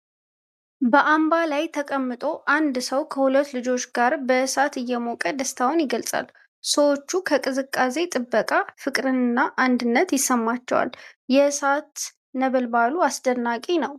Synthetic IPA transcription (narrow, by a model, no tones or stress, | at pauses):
bəʔambalajt̪ʰəkʼəmːɨt̪ʼo̞ʔand̪səwkʰəhulət̪ːlɨd͡ʒo̞t͡ʃːɡaɾbəsat̪ɨjːɛmokʼəd̪əst̪ʰawnjɪɡəlsʼa̰l | səwo̞t͡ʃːukʰəkʼɨzɨkʼːase̞t̪ʼɨbːəkʼafɨkʼɾɨnɨnːaʔand̪ɨnːət̪jɪsːəmːat͡ʃːɛwa̰ljɛsat̪ | nəβəlbaluasd̪ənːakʼinəw